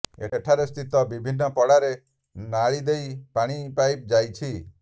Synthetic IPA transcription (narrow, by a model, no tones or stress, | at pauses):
ḛʈʰaɾest̪ʰit̪ɔbibʱinːɔpɔɽaɾe | naɭid̪ejpaɽ̃ipajp̚d͡ʒajt͡ʃʰi